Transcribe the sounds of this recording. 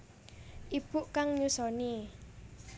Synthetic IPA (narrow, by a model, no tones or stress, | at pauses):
ʔib̥ṳʔkaŋɲusɔni